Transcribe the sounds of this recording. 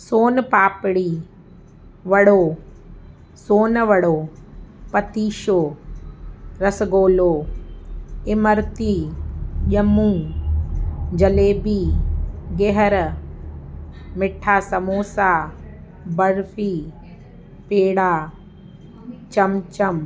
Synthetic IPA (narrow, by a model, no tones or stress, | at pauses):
soːnpaːpɽiː | ʋɐɽoː | soːnʋɐəɽoːpɐt̪iːʃoː | ɾɐsɡoːloː | ɪməɾt̪iːʄɐmũː | d͡ʒɐleːbiːɡeɦəɾ | mɪʈʰːaːsɐmoːsaː | bɐɾfiː | peːɽaː | t͡ʃɐmt͡ʃɐm